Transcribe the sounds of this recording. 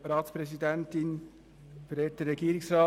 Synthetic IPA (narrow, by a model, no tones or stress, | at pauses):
ɾɑːtspɾɛsidɛntɪn | fɾɛːtəːɛɡiːɾɪŋsɾɑː